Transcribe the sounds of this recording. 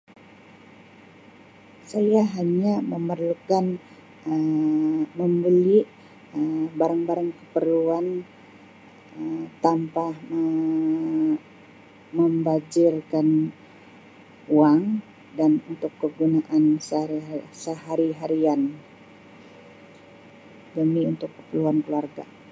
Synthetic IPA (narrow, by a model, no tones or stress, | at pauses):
sajaɦaɲaməmərlukan | məmbəli | əbaɾaŋbaɾaŋkəpərluan | t̪ampahə | məmbad͡ʒɪrkan | uaŋ | danunt̪ʊkːəɡunaʔanssəɦaɾiɦaɾian | dəmiunt̪ʊkːə̥pərluankəluarɡa̰